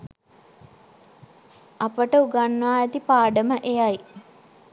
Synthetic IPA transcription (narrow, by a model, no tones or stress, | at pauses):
apəʈəuɡanːəʋaːɛt̪ipaːɖəməʔejaj